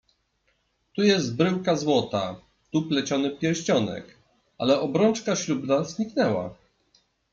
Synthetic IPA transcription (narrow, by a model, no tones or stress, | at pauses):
t̪ujɛst̪̚bɾɘwkazwɔt̪a | t̪uplɛt͡ɕɔnɘpʲjɛɾɕt͡ɕɔnɛ̰k | alɛʔɔbɾɔnt͡ʂkaɕlubnazɲiknɛwa̰